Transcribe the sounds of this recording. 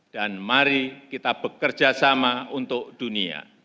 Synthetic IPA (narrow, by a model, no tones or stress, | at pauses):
d̥anmaɾikit̪ab̥əkərd͡ʒasamaunt̪ʊk̚d̥unia̰